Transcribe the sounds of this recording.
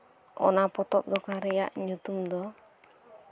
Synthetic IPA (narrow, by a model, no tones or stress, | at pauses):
ɔ̰napɔt̪ɔp̚d̪ɔkaɾɛja̰ʔɲut̪umd̪ɔ